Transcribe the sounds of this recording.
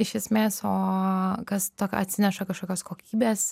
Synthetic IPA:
ɪʃʲɛsʲmʲeːsoːkɐst̪oːkʲɐ̰t̪ʲsʲɪnʲɛʃɐkɐʃkoːkʲoːskoːkʲiːbʲeːs

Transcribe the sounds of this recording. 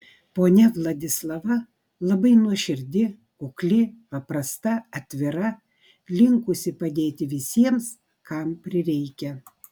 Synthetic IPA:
poːnʲɛʋlˠɐd̪ʲɪslˠɐʋɐ | lˠɐbɐɪnuɔʃʲɪɾʲd̪ʲɪ | ʊklʲɪpɐpɾɐst̪ɐɐt̪ʲʋʲɪɾɐ | lʲɪŋkʊsʲɪpɐd̪ʲeːt̪ʲɪʋʲɪsʲiɛms | kɑmpʲɾʲɪɾʲɛɪkʲɛ

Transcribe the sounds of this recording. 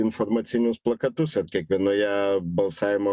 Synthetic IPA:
ɪnfoɾmɐt̪sʲɪnʲʊsplˠɐkɐt̪ʊsɐɾkʲiɛkʋʲiɛnojɛbɐlˠsɑːʋʲɪmo

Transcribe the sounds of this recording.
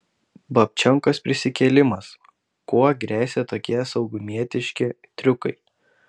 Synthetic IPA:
bɐpʲt͡ʃʲɔŋkospʲɾʲɪsʲɪkʲɛlʲɪmɐs | kuɔɡɾʲæːsʲet̪oːkʲiɛsɒʊɡʊmʲiɛt̪ʲɪʃʲkʲɪ | t̪ʲɾʲʊkɐɪ

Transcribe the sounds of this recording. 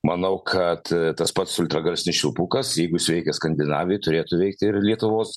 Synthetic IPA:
mɐnɐʊkʰɐt̪t̪ɐspɐt̪sʊlʲt̪ɾɐɡɐlʲsʲnʲɪsʃʲulˠpukɐsjɛɪɡʊsʲʋʲɛɪkʲɛskɐnʲd̪ʲɪnɑːʋʲɪjt̪ʊɾʲeːt̪ʊʋʲɛɪk̚t̪ʲɪɪɾlʲiɛt̪ʊʋoːs

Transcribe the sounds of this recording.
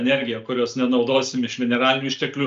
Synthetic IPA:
nʲɛɾʲɡʲɪjɛkʊɾʲoːsnʲɛnɒʊd̪oːsʲɪmɪʃʋʲɛnʲɛɾɑːlʲɪnʲʊɪʃʲt̪ʲɛklʲuː

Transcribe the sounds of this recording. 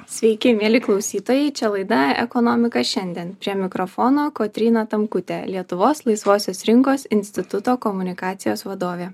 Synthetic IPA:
sʲʋʲɛɪkʲɪmʲiɛlʲɪklˠɒʊsʲiːt̪oːjɛɪt͡ʃʲɛlˠɐɪd̪ɐʔɛkɔnɔːmʲɪkɐʃʲɛnʲd̪ʲiɛnppʲɾʲiɛmʲɪkɾɔfoːnoːkot̪ʲɾʲiːnɐt̪ɐmkʊt̪ʲelʲiɛt̪ʊʋoːslˠɐɪsʋoːsʲoːsɾʲɪŋkoːsɪnʲsʲt̪ʲɪt̪ʊt̪oːkɔmʊnʲɪkɑːt̪sʲɪjoːsʋɐd̪oːʋʲeː

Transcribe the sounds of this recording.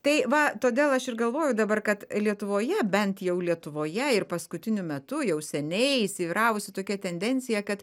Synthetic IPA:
t̪ɐɪʋɐt̪oːd̪ʲeːlˠɐʃɪrɡɐlˠʋoːjʊd̪ɐbɐrkɐt̪lʲiɛt̪ʊʋoːjɛbʲɛnt̪jɛʊlʲiɛt̪ʊʋoːjɛɪrpɐskʊt̪ʲɪnʲʊmʲɛt̪ʊjɛʊsʲɛnʲɛɪisʲɪʋʲiːɾɑːʋʊsʲɪt̪oːkʲɛt̪ʲɛnʲd̪ʲɛnʲt͡ssʲɪjɛkɐt̪

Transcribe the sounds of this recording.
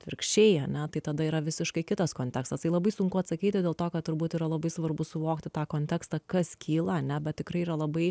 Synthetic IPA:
t̪ʲʋʲɪɾkʃʲt͡ʃʲeɪɐnʲɛt̪ɐɪt̪ɐd̪ɐiːɾɐʋʲɪsʲɪʃkɐɪkʲɪt̪ɐskoːnt̪ʲɛkst̪ɐst̪ɐɪlˠɐbɐɪsʊŋkʊɐt̪sɐkʲiːt̪ʲɪd̪ʲeːlˠt̪oːkɐt̪tʊɾbuːt̪iːɾɐlˠɐbɐɪsʋɐrbʊsʊʋoːkt̪ʲɪt̪ɑːkoːnʲt̪ʲɛkst̪ɐkɐskʲʰiːlˠɐɐnʲɛbʲɛt̪̚tʲɪkɾɐɪiɾɐlˠɐbɐɪ

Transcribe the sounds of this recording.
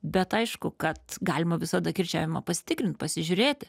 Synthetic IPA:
bʲɛt̪ɐɪʃkʊkɐt̪ɡɑːlʲɪmɐʋʲɪsɐd̪ɐkʲɪrʲt͡ʃʲæ̰ːʋʲɪmɐpɐsʲɪ̥t̪ʲɪkɾʲɪnt̪̚pɐsʲɪʒʲʊɾʲeːt̪ʲɪ

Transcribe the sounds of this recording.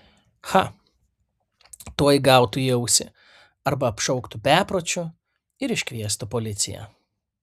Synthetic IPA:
xɐ | t̪uɔjɡɑˑʊt̪ʊjɛʊsʲɪ̰ | ɐɾbɐɐpʃɔʊkt̪ʊpʲæːpɾoːt͡ʃʲʊ | ɪɾɪʃʲkʲʋʲiɛst̪ʊpoːlʲɪt̪sʲɪ̰jɛ̰

